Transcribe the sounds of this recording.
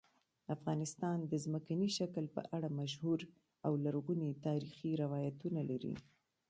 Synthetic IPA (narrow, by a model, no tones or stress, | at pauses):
afɣɑnɪst̪ɑnd̪əzməkaniʃakəlpə̰ʔaɽamaʃhuɾ | awlaɾɣunet̪ɑɾixiɾɪwɑjat̪unalaɾḭ